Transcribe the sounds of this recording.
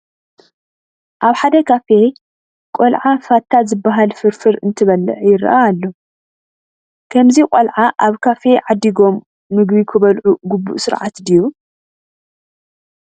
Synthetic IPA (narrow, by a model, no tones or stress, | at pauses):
ʔaβħad̪ɐkʰafe̞ | kʼolʕafat̪ʰːazɨbːaɦalfɨɾfɨɾɨnt̪ʰɨβɐlɨ̰ʕjɪɾ̰ʔaːlːo | kʰɐmzikʼolʕaʔaβkʰafe̞ʕad̪ːiɡo̞mː | ɨɡbikʰɨβɐlʕuɡubːṵʔsɨɾʕa̰t̪d̪iju